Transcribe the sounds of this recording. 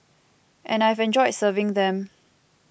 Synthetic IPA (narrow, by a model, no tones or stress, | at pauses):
ʔɛ̃najvɛ̃nd͡ʒɔɪdsəvɪ̃ŋðɛ̃m